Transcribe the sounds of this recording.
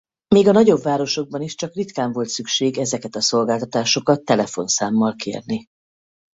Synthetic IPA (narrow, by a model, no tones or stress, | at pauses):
meːɡɒnɒɟo̞bvaːɾo̞ʃo̞ɡ̚bɒniʃt͡ʃɒkrit̪kaːɱvo̞lt̪sykʃeːɡɛzɛkɛt̪ɒso̞lɡaːlt̪ɒt̪aːʃo̞kɒt̪ːɛlɛfo̞̰nsaːmːɒlkḛːrni